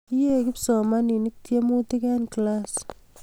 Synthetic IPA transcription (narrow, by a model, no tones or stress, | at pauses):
ijekɪpsɔmaninik̚tjemutikɛnklas